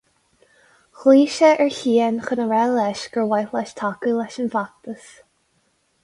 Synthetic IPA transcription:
xliːʃəʔɛɹçiːənxənəɹɛlɛʃɡ̥əɹwajlɛʃtʰakəlɛʃənvak̚t̪əs

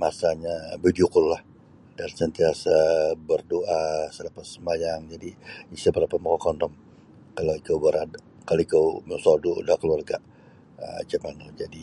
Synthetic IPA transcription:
masaɲabəd͡ʒukʊllah | d̥ansənt̪iasabərdoʔasələpasːəmajaŋd͡ʒadiisabəɾapat̪̚mɔkɔkɔndɔm | kalawikəwbəɾada | kaloikəwməsɔdudahkəluarɡa | ə̰d͡ʒəmanɔd͡ʒadi

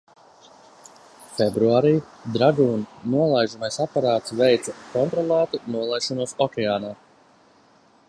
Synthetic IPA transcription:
fɛbɾuaːɾiː | d̪ɾaɡuːnnuɔlˠajʒumajsapaɾaːt̪svɛjt̪sakɔnt̪ɾɔlˠaːt̪unuɔlˠajʃɔnuɔsɔkʲɛaːnaː

